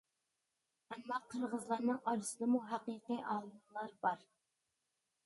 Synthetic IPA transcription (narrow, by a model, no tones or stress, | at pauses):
ɛmːɑqʰːəɾʁəzlˠɑɾnɨŋɑɾɨsɨd̪ɨmuɦæqiqiʔɑːlˠumlˠɑɾbɑɾ